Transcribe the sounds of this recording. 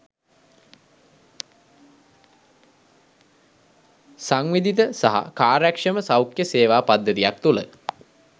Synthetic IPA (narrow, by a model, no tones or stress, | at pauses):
saŋʋid̪it̪əsaɦa̰kaːɾækʂəməsawkjəseːʋaːpad̪ːət̪ijak̚t̪ulə